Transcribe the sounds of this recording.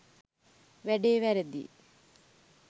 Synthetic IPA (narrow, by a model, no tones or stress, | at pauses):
ʋæɖeːʋæɾed̪ḭ